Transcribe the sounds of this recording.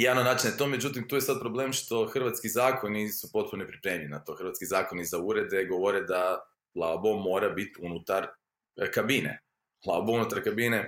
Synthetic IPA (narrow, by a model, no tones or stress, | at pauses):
jaːnonaːt͡ʃinet̪o̞me̞d͡ʒut̪imt̪uːje̞sad̪̚pɾo̞blemʃt̪o̞xr̩ʋat̪skizaːkonisupo̞t̪̚punonepɾipɾeːmiʎinat̪o̞xɾʋat̪skizaːko̞nizauɾe̞d̪eɡo̞ʋo̞ɾed̪a | lˠabo̞mo̞ːɾabit̪iunut̪aɾ | kabinḛ | lˠabounut̪aɾkabine